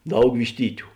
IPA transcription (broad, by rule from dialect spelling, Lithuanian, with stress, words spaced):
ˈdɐʊk ʋʲɪʃʲˈtʲiːtʲʊ